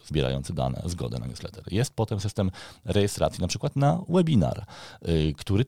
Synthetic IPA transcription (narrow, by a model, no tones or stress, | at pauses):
zbʲjɛɾa̰jɔnt̪sɘd̪a̰nɛ̰zɡɔ̰d̪ɛna̰ɲʲṵslɛt̪ɛɾjɛst̪̚pɔt̪ɛmsɘst̪ɛmɾɛjɛst̪ɾa̰t̪sʲjinapʂɘkwat̪nawɛbʲina̰ɾ | kt̪uɾɘ